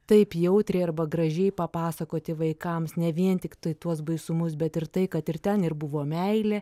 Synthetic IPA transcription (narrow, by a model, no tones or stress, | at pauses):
t̪ɐɪpjɛʊt̪ʲɾʲɛɪɐrbɐɡɾɐʒʲɛɪpɐpɑːsɐkoːt̪ʲɪʋɐɪkɐmsnʲɛʋʲiɛnt̪ʲɪkt̪ɐɪt̪uɔsbɐɪsʊmʊs̬bʲɛt̪ɪrt̪ɐɪkɐt̪ɪrt̪ʲɛnɪrbʊʋoːmʲɛɪlʲɛː